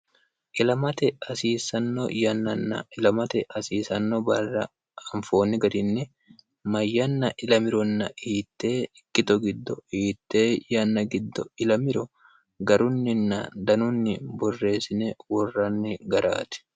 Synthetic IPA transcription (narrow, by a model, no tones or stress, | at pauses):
ʔɪlɐmɐt̪ɛɐsiːsɐnːɔ̰jɐnːɐnːɐ̰ɪlɐmɐt̪ɛʔɐsiːsɐnːɔbɐrːɐ̰ | ɐɱfoːnːɪɡɐd̪ɪnːɪ | mɐjːɐnːɐʔɪlɐmɪɾɔnːɐiːt̪ːe̞ːɪkːɪt̪ɔɡɪd̪ːɔiːt̪ːe̞ːjɐnːɐɡɪd̪ːɔɪlɐmɪɾɔ | ɡɐɾʊnːɪnːɐd̪ɐnʊnːɪbɔrːe̞ːsɪnewɔrːɐnːɪɡɐɾa̰ːt̪ɪ̥